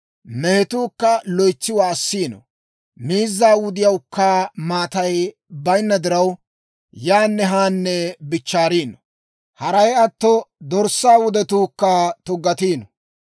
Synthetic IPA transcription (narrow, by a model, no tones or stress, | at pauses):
mɛhɛt̪uːkːɐlɔjt͡sːɪwaːsːiːnɔ̰ | miːzːaːwʊd̪ɪjɐwkːɐmaːt̪ɐj | bɐjnːɐd̪ɪɾɐw | jaːnːɛɦaːnːɛbɪt͡ʃːaːɾiːnɔ | hɐɾɐjɐt̪ːɔd̪ɔɾsːaːwʊd̪ɛt̪uːkːɐt̪ʊɡːɐt̪iːnɔ